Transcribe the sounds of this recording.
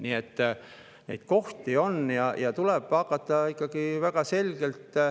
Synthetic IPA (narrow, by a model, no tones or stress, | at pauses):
niːet̪ː | nḛjd̪̥̚ko̞ht̪io̞njɑjɑt̪uleb̥ɑkːˑɑt̪ːˑɑikːˑɑɡ̥ivæɡɑse̞lʲɡ̥e̞lt̪